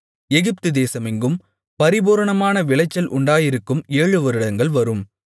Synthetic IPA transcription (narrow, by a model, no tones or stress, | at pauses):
ɛɣɪp̚t̪ɯd̪eːsɐmɪŋɡɯm | pɐɾɪboːɾɐɳɐmaːnɐʋɪɭɐɪt͡ʃːɐlʔʊɳɖaːjɪɾɯkːɯmeːɻɯʋɐɾɯɽɐŋɡɐɭʋɐɾɯm